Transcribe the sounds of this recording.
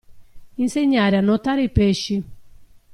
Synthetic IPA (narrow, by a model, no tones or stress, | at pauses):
inseɲaɾeanot̪aɾeipeʃi